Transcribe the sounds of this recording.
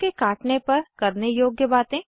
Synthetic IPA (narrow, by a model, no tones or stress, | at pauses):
kekaːʈnepɐɾkɐɾnejoːɡjəbaːt̪ẽ